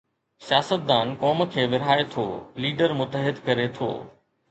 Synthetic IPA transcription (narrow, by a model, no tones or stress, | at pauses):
sijaːsət̪̚d̪aːnkɔːmkʰeːʋɪɾ̤aːet̪ʰo̰ːliːɖəɾmʊt̪əɦɪd̪kɐɾet̪ʰo̰ː